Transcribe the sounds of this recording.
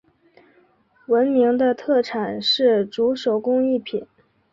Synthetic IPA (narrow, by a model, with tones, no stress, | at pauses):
wə˧˥nmi˧˥ŋd̪ə˧t̪ʰɤ˥˩ʈ͡ʂʰa˨˩nʂɻ̩˥˩ʈ͡ʂu˧˥ʂo˨˩ʊkʊ˥ŋi˥˩pʰi˨˩˦n